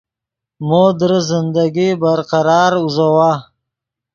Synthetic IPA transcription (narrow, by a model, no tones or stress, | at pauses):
mod̪ɾəzɪnd̪aɡibaɾqaɾɑːɾuzawa